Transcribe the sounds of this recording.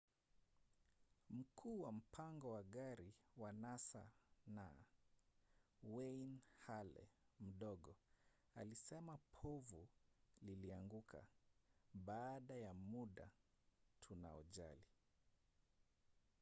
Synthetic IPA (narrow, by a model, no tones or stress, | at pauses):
m̩kʰuːwam̩pʰaŋɡɔwaɠaɾiwanasa̰na | wɛjnhalɛ̰m̩ɗɔɠɔ | a̰lisɛmapʰɔvuliliaŋɡukʰa̰ | ɓaːɗajamuɗa̰ | tʰuna̰ɔ̰ʄa̰li